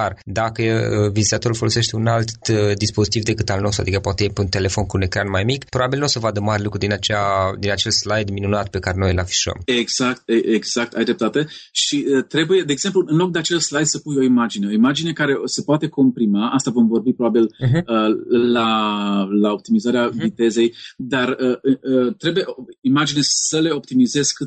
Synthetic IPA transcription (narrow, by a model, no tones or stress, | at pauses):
ard̪akəəvizit̪at̪o̞ɾulfo̞lo̞se̞ʃt̪e̞unalt̪d̪ispo̞zit̪ivd̪e̞kɨt̪alno̞st̪uad̪ikapoat̪ejepeunt̪e̞le̞fo̞nkune̞kɾanmajmikpɾo̞babilnosəvad̪əmaɾʲelukɾud̪inat͡ʃead̪inat͡ʃe̞lslajd̪minunat̪pe̞kaɾeno̞jlafi̥ʃuə̰meɡz̥ak̚t̪eeɡz̥ak̚t̪a̰jd̪ɾep̚t̪at̪e̞ʃiət̪ɾe̞buje̞d̪eːɡz̥e̞mpluɨnlo̞k̚d̪eat͡ʃe̞lslajd̪səpujo̞imad͡ʒine̞o̞imad͡ʒine̞kaɾe̞se̞poat̪e̞ko̞mpɾimaʔast̪avo̞mvo̞rbipɾo̞babiləla | lao̞p̚t̪imizaɾeavit̪e̞ze̞jd̪arəɨət̪ɾe̞buje̞oimad͡ʒinesəle̞o̞p̚t̪imize̞sk